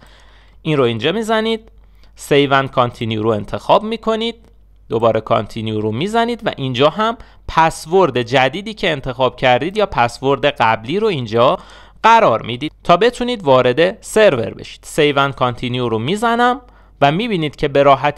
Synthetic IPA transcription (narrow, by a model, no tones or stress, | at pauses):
ʔinro̞ind͡ʒɒːmiːzæniːd̪̥̚ | se̞jvænd̪̚kʰɒnt̪ʰinjuɾoe̞nt̪ʰe̞xɒːbmiːkʰo̞niːd̪̥̚ː | obɒːɾe̞kʰɒ̰nt̪ʰinjuɾomiːzæniːd̪væ̰ʔind͡ʒɒːɦæm | pʰæsvo̞ɾd̪e̞d͡ʒæd̪iːd̪iːcʰe̞ːnt̪ʰe̞xɒːb̥̚cʰæɾd̪iːd̪jɒːpʰæsvo̞ɾd̪eɢæbliːɾoind͡ʒɒː | ɢ̥æɾɒːɾmid̪iːd̪t̪ʰɒːbe̞t̪ʰuniːd̪vɒːɾe̞d̪e̞se̞ɾve̞̰ɾbe̞̰ʃi̥ːd̪̥sejvænd̪̚kʰɒnt̪ʰinjuɾomiːzænæm | væmiːbiːniːd̪̥cʰe̞be̞ɾɒːɦæt̪ʰ